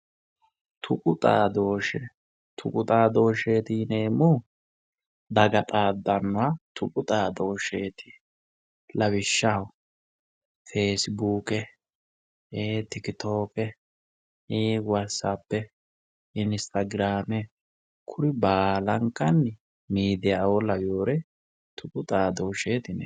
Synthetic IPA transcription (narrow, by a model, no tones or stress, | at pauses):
t̪ʰʊkʼʊt̪ʼa̰ːd̪oːʃɛ | t̪ʰʊkʼʊt̪ʼaːd̪o̞ːʃeːt̪iːne̞ːmʊ | d̪ɐɡɐt̪ʼaːd̪ːɐnːʊwat̪ʰʊkʼʊt̪ʼaːd̪o̞ːʃeːt̪ɪ̥ | lɐβɪʃːɐw | feːsbuːkɛ | eːt̪ɪkɪt̪o̞ːkɛ | iːwɐsːapːɛ | ɪnst̪ɐɡɾaːmɛ | kʰʊɾɪbaːlɐŋkːɐnːɪ | miːd̪ɪjawɔlɐjoːɾɛ | t̪ʰʊpʼʊt̪ʼaːd̪oːʃe̞ːt̪ɪnɛ̰